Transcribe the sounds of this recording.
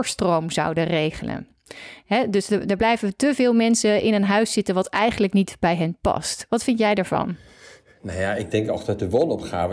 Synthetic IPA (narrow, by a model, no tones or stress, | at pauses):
ɹstrowmzɑ̰wdərejχələ̰n | ɦɛdɵsədəɹblɛjvətəvɪːlˠmɛnsəʔɪnənɦœɥsɪtənʋɑtɛjχənləknitbɛjɦɛnpɑ̰stʋɑtfɪntjɛjdəɹvɑ̰n | najaɪɡ̚dɛŋkɔ̰χdɑt̚dəʋɔnɔpχa̰ːvə